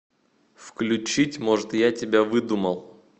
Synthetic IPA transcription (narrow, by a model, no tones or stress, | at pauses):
fklʲʉt͡ɕitʲmo̞ʐɨt̪jatʲɪbʲavɨd̪uməlˠ